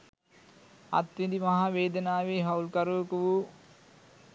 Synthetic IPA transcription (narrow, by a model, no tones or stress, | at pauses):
a̰t̪ʋid̪imaɦaʋeːd̪ənaːʋeːɦaulkaɾoːkəʋu